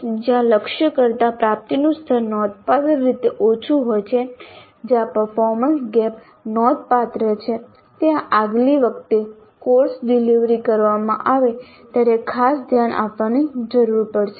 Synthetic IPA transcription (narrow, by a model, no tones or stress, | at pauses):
d͡ʒjãləkʃjəkəɾt̪apɾap̚t̪inust̪ʰəɾnɔd̪̚pad̪əɾːit̪eʔot͡ʃʰuɦojt͡ʃʰe | d͡ʒjãpəɾfɔɾmənsɡɛp | nɔd̪̚pat̪ɾət͡ʃʰe | t̪jãʔaɡliʋək̚ʰt̪e | koɾsɖiliʋɾikəɾʋamã̰ʔaʋe | t̪jaɾekʰasd̪ʱjanʔa̰pʋanid͡ʒəɾuɾpəɽʃʰe